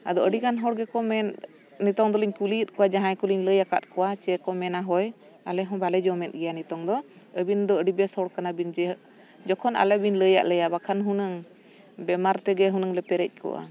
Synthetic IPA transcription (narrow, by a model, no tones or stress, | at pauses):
ad̪ɔəɖikanɦɔɽɡɛkɔmɛn | nit̪ɔŋd̪ɔliɲkuliət̪̚ˀkɔwad͡ʒaɦãjkuliɲləjaka̰t̪̚kɔwat͡ʃɛkɔmɛnaɦɔj | alɛɦɔ̃balɛd͡ʒɔmɛt̪̚ɡɛjanit̪ɔŋd̪ɔ | əbind̪ɔəɖibɛshɔɽkanabind͡ʒɛ | d͡ʒɔkʰɔna̰lɛbiɲləja̰ʔlɛjabakʰanɦunəŋ | bɛmaɾt̪ɛɡɛɦunəŋlɛpɛɾɛc̚ˀkʰɔ̰wa̰